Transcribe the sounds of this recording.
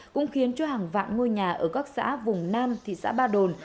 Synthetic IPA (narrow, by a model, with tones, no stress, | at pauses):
kʊ̰˧˥ŋ͡mxi˨˦ənt͡ɕɔ˧˦haː˨˩ŋva̰ː˧˨nŋo˧jɲaː˨˩ʔəː˧˩kaː˦˥k̚sa̰ː˧˥vʊ˨˩ŋ͡mnaː˧mt̪ʰḭ˧˨sa̰ː˧˥ɓaː˧ɗo˨˩n